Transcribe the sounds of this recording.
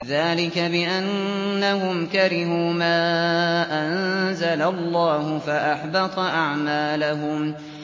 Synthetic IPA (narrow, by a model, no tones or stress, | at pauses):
ðaːlɪkabɪʔanːaɦʊmkaɾɪɦuːmaːʔanzalalˤːaːhʊfaʔaħbɑt̪ˤɑʔaʕmaːlaɦʊm